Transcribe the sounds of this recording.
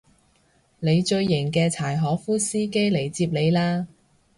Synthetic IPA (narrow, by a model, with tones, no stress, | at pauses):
le˨˧jt͡ʃɵ˧ɥːɪ˨˩ŋkɛː˧t͡sʰaː˨˩jɦɔː˨˥fuː˥siː˥ke˥jle˨˩jt͡siː˧p̚le˨˧jlaː˥